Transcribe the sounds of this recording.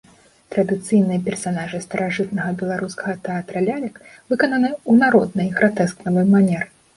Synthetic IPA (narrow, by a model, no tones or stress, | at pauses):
t̪ɾɐd̪ɨt̪sɨjnɨjɐpʲɛrsanaʐɨst̪ɐɾaʐɨt̪nɐɣɐbʲɛlˠaɾuskɐɣɐt̪ɛat̪ɾɐlʲalʲɐkvɨkɐnɐnɨunaɾɔd̪nɐjɣɾat̪ɛsknɐvɨjmanʲɛrɨ